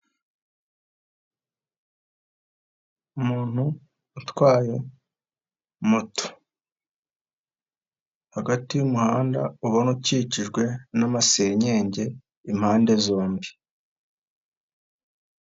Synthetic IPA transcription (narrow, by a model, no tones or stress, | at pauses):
umuːn̥hu | utwaːje̞ | muto̥ | haɡatijumuhaːnda̰uβonuciːciʒɡwe̞namase̞ɲe̞ːɲɟe̞ | im̥haːnde̞zo̞ːmbi